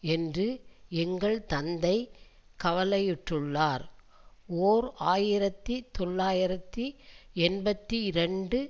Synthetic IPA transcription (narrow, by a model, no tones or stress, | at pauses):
ɛndrɯɛŋɡɐɭt̪ɐnd̪ɐɪkɐʋɐlɐjɪʈrɯɭːaːɾ | oːɾaːjɪɾɐt̪ːit̪ɔɭːaːjɪɾɐt̪ːiɛnbɐt̪ːiɪɾɐɳɖɯ